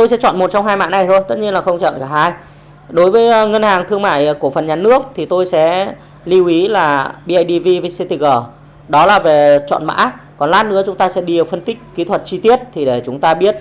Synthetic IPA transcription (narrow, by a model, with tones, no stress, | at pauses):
t̪o˧jsɛ̰˧˥t͡ɕɔ̰˧˨nmo˨˩t̚t͡ɕɔ˧ŋ͡mɦaː˧jma̰ː˧˥na˨˩jt̪ʰo˧jt̪ə˦˥t̚ɲi˧ənlaː˨˩xə˧wŋ͡mt͡ɕɔ̰ː˧˨nkaː˧˩haː˧j | ɗo˨˦jvəː˨˦jŋə˧nhaː˨˩ŋt̪ʰɨ˧əŋma̰ː˧˨jku˧˩əfə˨˩nɲaː˨˩nɨ˦˥ək̚t̪ʰi˨˩t̪o˧jsɛ̰˧˥ | li˧wʔi˨˦laː˨˩ɓi˧ʔa˧jɗi˧vi˧vi˧si˧t̪i˨˩k̚əː˨˩ | ɗɔ˨˦laː˨˩ve˨˩t͡ɕɔ̰˧˨nma̰ː˧˥kɔ˨˩nlaː˦˥t̚nɨ̰˧ət͡ɕʊ˨˦ŋ͡mt̪aː˧sɛ̰˧˥ɗi˧ɗə˨˩fə˧nt̪ï˦˥k̟̚kːi˨˦t̪ʰwə˨˩t̚t͡ɕi˧t̪i˦˥ət̚t̪ʰi˨˩ɗe˧˩t͡ɕʊ˨˦ŋ͡mt̪aː˧ɓi˦˥ət̚